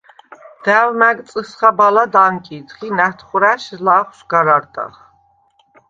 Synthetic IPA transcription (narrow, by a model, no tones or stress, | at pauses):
d̪̥ævmæk̪ʼt͡sʼəsχabalad̪aŋkʼit̪χinæt̪ʰχuɾæʃlaχsɡ̥aɾaɾt̪ʼa̰χ